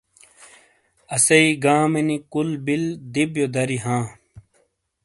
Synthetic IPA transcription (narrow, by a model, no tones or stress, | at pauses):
ɐsɐiɡaːmenikulbild̪ibjod̪ɐɾiɦãː